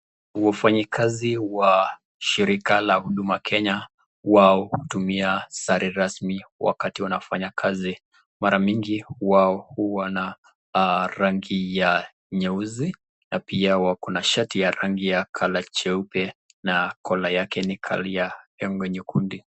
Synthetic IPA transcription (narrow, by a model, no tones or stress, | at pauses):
wafaɲikʰaziwa | ʃiɾikalahuɗumakʰɛɲa | waɔhutumiasaɾʔiɾasmiwa̰katiwanafaɲakʰazi | maɾaɲiŋɡiwaɔhuwana | ɾaŋɡija | ɲɛuzi | napiawakɔnaʃatijaɾaŋɡijakʰalat͡ʃɛupɛ | nakʰɔlajakɛnikʰa̰lijaɛŋɡɔɲukundi